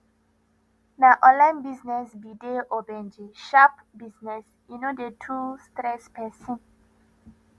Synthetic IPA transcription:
naʔɔ̃nlãj̃nbiznɛsbideʔɔbɛ̃nd͡ʒeʃap | biznɛs | junodetʰustɾɛspɛsĩn

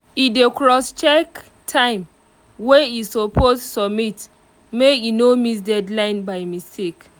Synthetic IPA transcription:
idekɹɔst͡ʃɛk | tʰãɪ̃m | weisopʰossɔbmit | meinomis̬dɛdlãɪ̃nbaɪmistek

